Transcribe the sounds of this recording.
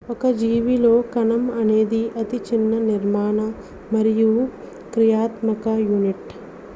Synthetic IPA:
ɔkɐd͡ʒiːʋilo̞ːkɐnɐmɐne̞ːd̪iʔɐt̪it͡ʃinːɐniɾmaːɳɐ | mɐɾiju | kɾijaːt̪mɐkɐjuniʈ

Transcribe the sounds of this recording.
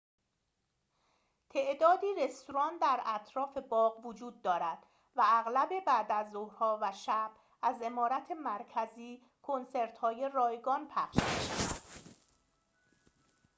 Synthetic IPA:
t̪ʰe̞ʔd̪ɒːd̪iːɾe̞st̪oɾɒːnd̪æɾæt̪ʰɾɒːfe̞bɒːɣvod͡ʒuːd̪̚ːɒːɾæd̪̥ | vææɣlæbe̞bæːd̪æzːohɾhɒːvæʃæb̥ | æze̞mɒːɾæt̪ʰe̞mæɾcʰæziː | kʰo̞nse̞ɾt̪hɒːje̞rɒːjɡɒːnpʰæχʃmiʃævæd̪̥

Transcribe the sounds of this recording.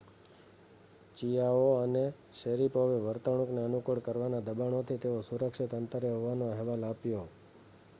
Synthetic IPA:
t͡ʃijaoəne | ʃeɾipoʋeʋəɾt̪əɽ̃ukneənukəɽkəɾʋanad̪əbaɳ̃ot̪ʰit̪eosuɾəkʃit̪ənt̪əɾeɦoʋanoɛɦʋalapjo

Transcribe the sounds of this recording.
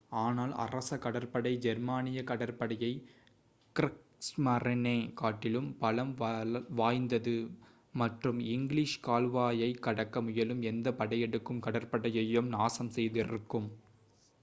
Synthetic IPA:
aːnaːlɐ̰rɐsɐkɐɽɐɾpɐɽɐɪd͡ʒɛɾmaːnɪjɐkɐɽɐɾpɐɽɐjɐɪ | kɪɾɪk | smɐrɐneːkaːʈːɪlɯmpɐlɐmʋʋaːjnd̪ɐðɯ | mɐʈrɯmɪŋɡliʂkaːlʋaːjɐɪkːɐɽɐkːɐmʊjɐlɯmɛnd̪ɐpɐɽɐjɛɽɯkːɯmkɐɽɐɾpɐɽɐjɐjɯmnaːsɐmsɛjðɪrɯkːɯm

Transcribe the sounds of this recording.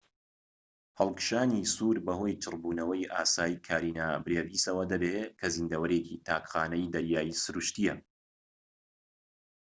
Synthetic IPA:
hɐlˠkɨ̥ʃaːnisuːɾbɐho̞jt͡ʃʰɨrbuːnɐwɐjʔa̰ːsaːjikʰaːɾiːnaːbɾeːviːsɐwɐd̪ɐbekʰɐzɨnd̪ɐwɐɾecit̪ʰaːkχaːnɐjd̪ɐɾjaːjisɨɾuʃt̪ijɐ

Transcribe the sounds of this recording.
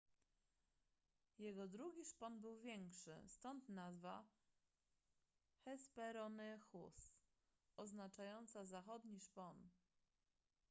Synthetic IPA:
jɛɡɔd̪ɾuɡʲiʂpɔnbɘwvʲjɛŋkʂɘ̰st̪ɔnt̪nazva | xɛspɛɾɔnɘxus | ɔznat͡ʂajɔnt̪sazaxɔd̪ɲiʂpɔn

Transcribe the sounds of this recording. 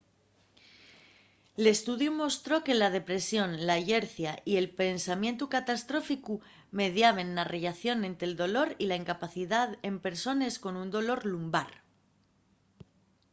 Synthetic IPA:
ele̞st̪uðjumo̞st̪ɾo̞ke̞lað̞e̞pɾe̞sjo̞nlaʝe̞ɾθjaʔie̞lpe̞nsamjẽ̞nt̪ukat̪ast̪ɾo̞fiku | me̞ðjaβ̞e̞nːareʎaθjo̞nẽ̞nt̪ɾeld̪o̞lo̞ɾilaiŋkapaθiðaðe̞mpe̞ɾso̞ne̞sko̞nund̪o̞lo̞ɾlumbaɾ

